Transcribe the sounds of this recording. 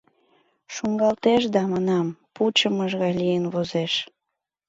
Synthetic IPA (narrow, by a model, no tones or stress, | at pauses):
ʃuŋɡɑlt̪eʃd̪ɑmɑnɑmput͡ɕəməʒɣɑjlijənβozeʃ